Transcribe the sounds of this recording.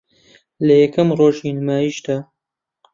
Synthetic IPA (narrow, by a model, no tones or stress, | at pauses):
lɐjɛkʰɐmroːʒinɨmaːjiːʃd̪aː